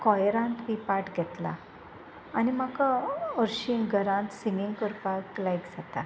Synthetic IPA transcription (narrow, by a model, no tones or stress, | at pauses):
kɔjɾãnt̪ʋipaʈɡʱɛt̪la̰ː | nimakaəɾɕiŋɡʱəɾãnt̪siŋɡiŋɡkəɾpaklajkd͡zat̪a